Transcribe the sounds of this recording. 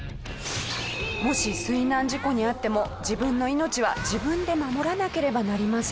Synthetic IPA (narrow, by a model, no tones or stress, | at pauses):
mo̞ɕisɨinãɲ̟d͡ʑiko̞ɲ̟iat̪ːe̞mo̞d͡ʑibɯ̟̃nːo̞ino̞t͡ɕiβ̞a̰d͡ʑibɯ̟̃nd̪e̞mamo̞ɾanake̞ɾe̞banaɾʲimasɨ̥